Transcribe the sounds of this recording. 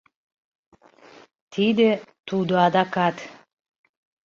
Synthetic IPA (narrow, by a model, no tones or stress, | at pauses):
t̪ʰid̪et̪ud̪oɑd̪ɑkɑt̪